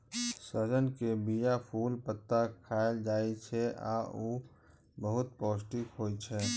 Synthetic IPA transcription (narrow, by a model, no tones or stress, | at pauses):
səd͡ʒənkebijapʰuːlpət̪ːakʰaːld͡ʒaːet͡ʃʰɛa̰ːo | bəɦʊt̪̚pɔːsʈikɦoːit͡ʃʰɛː